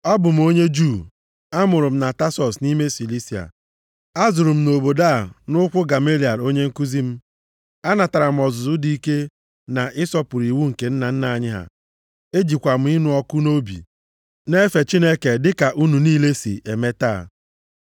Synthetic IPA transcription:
ɔ˦bʊ˨m̩˦o˦ɲe˦d͡ʒu˦˨ | a˦mʊ˨ɾʊ˨m̩˦na˨ta˦sɔ˨sni˦me˦si˨li˦si˨a̰˨ | a˦zʊ˨ɾʊ˨m̩˦˨no˨bo˨da˦˨nʊ˦kʷʊ˦ɡa˨me˦li˨a˨ɾo˦ɲe˦ŋ̩˦ku˦zi˦m̩˦ | a˦na˨ta˨ɾa˨m̩˨ɔ˨zʊ˨zʊ˦di˨i˦ke˦ | na˨ʔɪ˦sɔ˦pʊ˨ɾi˨wu˦ŋ̩˨ke˨n̩˦na˨n̩˦na˨a˨ɲɪ˦ɦa̰˨ | e˦d͡ʒi˨kʷa˨m̩˦ɪ˦nu˨ɔ˦kʊ˦no˦bḭ˨ | ne˦fe˨t͡ʃi˦ne˦ke˨dɪ˦ka˨ʔu˦nu˨niː˦le˦sḭ˨ʔe˨me˦ta̰˦˨

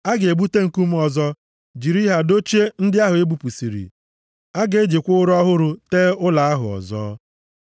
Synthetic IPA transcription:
a˦ɡe˨ɡ͡bu˦te˦ŋ̩˨ku˦m̩˦ɔ˨zɔ˦ | d͡ʒi˨ɾi˦ɦa˨do˦t͡ʃe˦n̩˦dɪ˦a˦ɦʊ˨e˦bu˨pu˨si˨ɾḭ˨ | a˦ɡe˨e˦d͡ʒi˨kʷʊ˦ʊ˦ɾʊ˦a˦ɦʊ˦ɾʊ˨teː˦ʊ˦la˨a˦ɦʊ̰˨ɔ̰˨zɔ̰ː˦

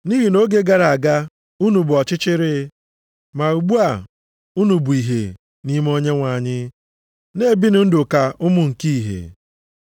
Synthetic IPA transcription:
ni˦ɦi˨no˦ɡe˦ɡa˨ɾa˨a˨ɡa˦ | u˦nu˨bʊ˨ɔ˨t͡ʃɪ˦t͡ʃɪ˦ɾɪ˦ | ma˨u˨ɡ͡bu˦a˨ | u˦nu˨bu˨i˨ɦḛ˨ | ni˦m˦o˦ɲe˦ŋʷa˨ɲɪ˦ | ne˦˨bi˦nʊ˦n̩˦dʊ˨ka˨ʊ˦mʊ˦ŋ̩˨ki˦i˨ɦḛ˨

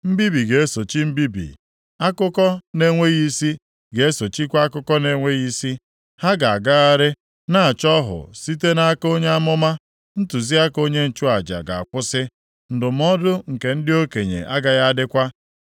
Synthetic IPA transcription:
m̩˦bi˦bi˨ɡe˨e˦so˨t͡ʃi˦m̩˦bi˦bḭ˨ | a˦kʊ˦kɔ˦ne˦ŋʷe˦ɣi˦si˦ | ɡe˨e˦so˨t͡ʃi˦kʷa˦a˦kʊ˦kɔ˦ne˦ŋʷe˦ɣi˦si˦ | ha˦ɡa˨a˨ɡa˦ɣa˦ɾɪ˦ | na˦a˨t͡ʃɔ˦ɦʊ̰˨si˦t̬e˦na˦ko˦ɲe˦a˦mʊ˦ma˦ | n̩˦tu˨zi˦a˦ko˦ɲe˦n̩˨t͡ʃu˦a˨d͡ʒa̰˨ɡa̰˨a˨kʷʊ˦sɪ˦ | n̩˨dʊ˨m˦ɔ˦dʊ˦ŋ̩˨ke˨n̩˦dɪ˦o˦ke˨ɲḛ˨ʔa˦ɡa˦ɣa˦dɪ˦kʷa˦

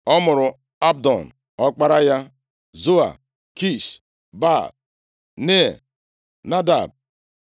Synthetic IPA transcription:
ɔ˦mʊ˨ɾʊ˨ | a˦b̚dɔ˨n˨ | ɔ˦k͡pa˦ɾa˦ja˦ | zo˦a̰˨ | ki˦˨s | ba˦˨ | ne˦˨ | na˦da̰˨b̚

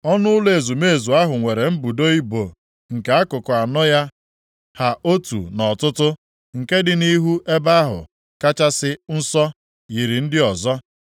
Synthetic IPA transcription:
ɔ˦nʊ˦ʊ˦le˨zu˨me˦˨zu˨a˦ɦʊ˨ŋʷe˨ɾe˨m̩˦bu˨do˦i˦bo˨ | ŋ̩˨ke˨a˦kʊ˨kʊ˨a˨nɔ˦ja˦ | ha˨ʔo˦tṵ˨nɔ˨tʊ˦tʊ˦ | ŋ̩˨ke˦dɪ˨ni˦ɦu˦ʔe˦ba˦ɦʊ̰˨ | ka˦t͡ʃa˦sɪ˦n̩˦sɔ˦ | ji˨ɾi˨n̩˦dɪ˦ɔ˨zɔ˦

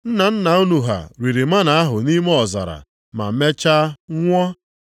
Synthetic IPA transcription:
n̩˦na˨n̩˦na˨u˦nu˨ɦa̰˨ɾi˨ɾi˨ma˦na˨a˦ɦʊ˨ni˦me˦ɔ˨za̰˨ɾa̰˨ | ma̰˨˦me˦t͡ʃa˦ŋʷɔ˦

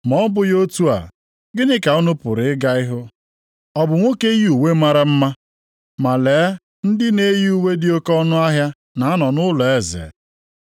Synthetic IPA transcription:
mɔ˨˦bʊ˦jo˦tu˦a̰˨ | ɡɪ˦nɪ˦ka˨o˦nʊ˦pʊ˨ɾɪ˨ɪ˦ɡa˦ɪ˦ɦʊ˦ | ɔ˦bʊ˨ŋʷo˦ke˦ju˨we˦ma˦ɾa˦m̩˦ma˦ | ma˨leː˨˦ | n̩˦dɪ˦ne˦ji˦u˨we˦dɪ˦o˦kɔ˦nʊ˦a˦ɦja˦ | na˨a˦nɔ˨nʊ˦lɔ˨e˦zḛ˨

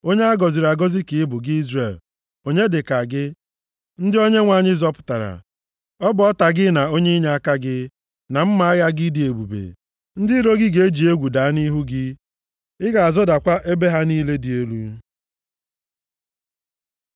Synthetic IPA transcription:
o˦ɲe˦a˦ɡɔ˨zi˨ɾa˨ɡɔ˦zi˦kɪ˨ɪ˦bʊ˨ɡɪ˦i˦zre˨l | o˦ɲe˦dɪ˨ka˨ɡɪ˦ | n̩˦dɪ˦o˦ɲe˦ŋʷa˨ɲɪ˦zɔ˦pʊ̥˨ta˨ɾa̰˨ | ɔ˦bʊ˨ɔ˦ta˨ɡɪ˦na˨o˦ɲe˦i˦ɲa˦a˦ka˦ɡɪ˦ | na˨m̩˦ma˨a˦ɣa˦ɡɪ˦di˨e˨bṵ˨bḛ˨ | n̩˦dɪ˦ɾo˦ɡɪ˦ɡe˨e˦d͡ʒi˨e˦ɡʷu˨da˨a˦ni˦ɦu˦ɡɪ˦ | ɪ˦ɡa˨a˨zɔ˦da˨kʷa˦ʔe˦be˦ɦa˦niː˦le˦di˨e˦lu˦

